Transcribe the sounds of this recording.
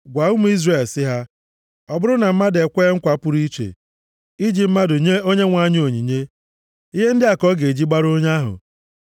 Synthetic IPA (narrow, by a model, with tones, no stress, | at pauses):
ɡʷa˨u˦mu˦i˦zre˨lsɪ˦ɦa˦ | ɔ˨bʊ˦ɾʊ˦na˨m̩˦ma˦de˨kʷeː˦ŋ̩˦kʷa˨˦pʊ˦ɾi˦t͡ʃḛ˨ | i˦d͡ʒi˨m̩˦ma˦dʊ˨ɲe˦o˦ɲe˦ŋʷa˨˦ɲ˦o˨ɲi˨ɲe˦ | i˦ɦe˦n̩˦dɪ˦a˨kɔ˦ɡe˨e˨d͡ʒi˦ɡ͡ba˦ɾo˦ɲa˦ɦʊ̰˨